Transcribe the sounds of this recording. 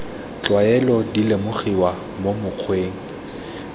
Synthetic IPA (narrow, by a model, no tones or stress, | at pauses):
t͡ɬʼwaɛlɔdilemʊχiwa | momʊq͡χʰweːŋ̩